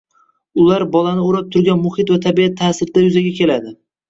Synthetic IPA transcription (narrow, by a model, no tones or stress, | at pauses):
ʊlaɾbɒlanɪoɾap̚t̪ʰʊɾɡʲanmʊhɪt̪vat̪ʰabiat̪ʰːaːsɪɾd̪̥ajʊzaɡʲakʲʰe̞lad̪ɪ